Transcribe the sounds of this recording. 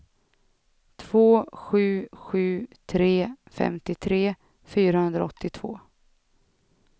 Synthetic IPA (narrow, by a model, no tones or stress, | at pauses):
t̪ʰv̥oːɧʉ̟ːɧʉ̟ːt̪ʰɾeːfɛ̰mt̪ɪt̪ʰɾeː | fyːɾahɵnd̪ɾa̰ɔt̪ːɪt̪ʰv̥o̰ː